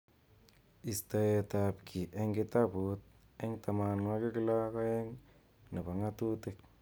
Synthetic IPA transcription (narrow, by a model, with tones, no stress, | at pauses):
i˨sta˨e˨ta˨pkʰi˨ʔe˦ŋɡɪ˦ta˦pu˨˦t̪̚ | e˦ŋta˨ma˨nwa˦kɪ˦kɪ˦la˦ka˦e˦ŋ | nɪ˨ba˨ŋa˦tu˦tɪ˦k̚